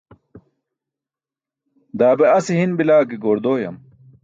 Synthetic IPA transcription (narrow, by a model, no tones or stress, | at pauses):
d̪aːbeɐsiɦinbilaːkiɡoːɾd̪oːjɐ̰m